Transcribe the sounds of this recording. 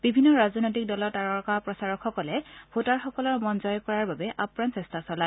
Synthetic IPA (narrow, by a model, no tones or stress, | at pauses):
bibʱinːɔɹazɔnojtik̚dɔlɔtaɹɔɹkapɹɔsaɹɔkxɔkɔlɛbʱotaɹxɔkɔlɔɹmɔnzɔjɔkɔɹaɹbabɛʔapɹansɛstasɔla